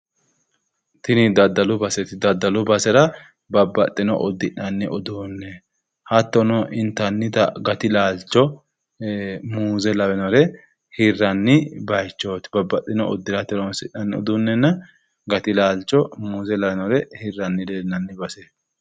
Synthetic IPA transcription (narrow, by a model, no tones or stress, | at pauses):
t̪ɪnɪd̪ɐd̪ːɐlʊbɐsɛt̪ɪd̪ɐd̪ːɐlʊbɐsɛɾɐ | bɐbːɐt̪ʼːɪnɔ̰ʔɔd̪ːɪᶑɐnːɛʔɔd̪uːnːɛ | hɐt̪ːɔnɔʔɪnt̪ːɐnːɪt̪ɐ̰ɡɐt̪ɪlaːlt͡ʃːɔ | muːzɛlɐbɛnɔɾɛ | hɪrːɐnːɪbɐjt͡ʃːoːt̪ɪbɐbːɐt̪ʼːɪnɔɔ̰d̪ːɪɾɐt̪ɪɾonsɪ̰ʔɐnːɛɔ̰d̪unːɛnːɐ | ɡɐt̪ɪlaːlt͡ʃːɔmuːzɛlɐwɛnɔɾɛhɪrːɐnːɪd̪eːnɐnːɪbɐsɛ